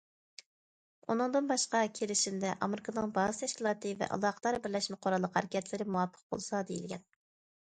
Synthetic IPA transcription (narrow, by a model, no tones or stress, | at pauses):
unɨŋd̪ɨnbɑʃqɑkʲʰelɪʃimd̪ɛʔɑmɪɾɪkʰɑnɨŋbɑzɨ̥t̪ʰɛʃkʲilˠɑːt̪ɨvɛ̰ʔɑ̰lˠɑːqə̥t̪ɑɾbɪɾlɛʃmɪqʰoɾɑlˠːəqhæɾɪkʲɛt̪ʰlɪɾɪmuwɑpʰːə̥q̚bo̰lˠsɑd̪ejilɡʲɛn